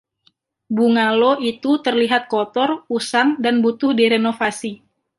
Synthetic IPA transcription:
buŋaloʔit̪ut̪ərliɦat̪̚kot̪ɔrusaŋdanbut̪ʊhdiɾenofasi

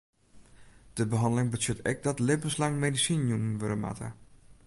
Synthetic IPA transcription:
d̥əbəɦɑndəlɪŋbəsøtɛ̰k̚dɔtlebənslaŋmedisinjunənʋøɾəma̰tʰə̰

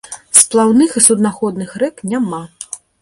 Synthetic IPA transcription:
splˠawnɨxisud̪naxɔd̪nɨxɾɛknʲama

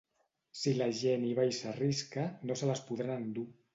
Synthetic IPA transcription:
silaʒeniβ̞ajsariskanosəlaspuðɾanand̪u

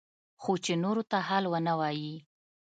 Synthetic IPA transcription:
xot͡ʃenoɾot̪ahalwənawɑji

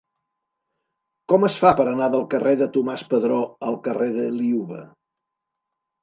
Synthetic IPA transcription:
kɔməsfapəɾənaðəlˠkəreðət̪umaspəðɾɔəlˠkəreðəliuβə̰

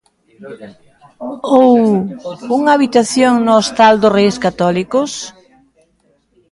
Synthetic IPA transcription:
ow | uŋaβit̪aθjoŋnost̪ald̪ʊrejskat̪ɔlikʊs

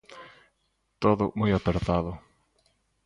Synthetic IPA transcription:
t̪oðʊ̰mujapeɾt̪aðʊ

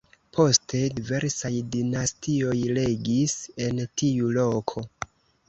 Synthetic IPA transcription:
pʰo̞stʰe̞dive̞ɾsajdinastio̞jle̞ɡise̞ntiulo̞kʰo̞

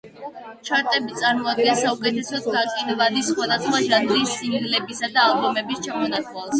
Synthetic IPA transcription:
t͡ʃʰaɾt̪ʼɛbit̪sʼaɾmɔad̪̚ɡɛnsaukʼɛt̪ʰɛsɔd̪ɡakʼinvad̪isχwad̪asχwaʒanɾissilɛbisad̪aːlbɔmɛbist͡ʃʰamɔnat̪ʼalˠs

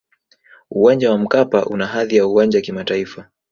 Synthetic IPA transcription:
uwand͡ʒawam̩kapaʔṵnaɦaðijauwand͡ʒaakimataifa

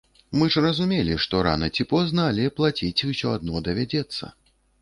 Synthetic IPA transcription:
mɨʐrɐzumʲelʲiʂt̪ɔɾa̰nɐt͡sʲipɔznɐːlʲɛplˠat͡sʲit͡sʲusʲɔad̪̚nɔd̪ɐvʲad͡zʲɛt̪sːɐ̰

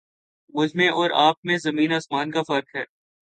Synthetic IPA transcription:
ʋʊd͡ʒmẽʔɔːɾaːp̚mẽzɐmĩːnaːsmaːnkafɐɾkɦɛː

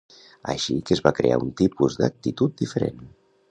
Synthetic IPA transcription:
əʃikəzβakɾea̰unt̪ipuzd̪ək̚t̪it̪ut̪̚d̪ifəɾḛn

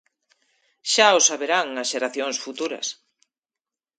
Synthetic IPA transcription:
ʃaosaβeɾaŋɐsʃeɾaθjoŋsfut̪uɾɐ̰s

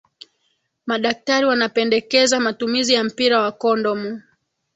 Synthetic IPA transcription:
maɗak̚taɾiwanapɛndɛkɛzamatumizijam̩piɾawakɔndɔmu

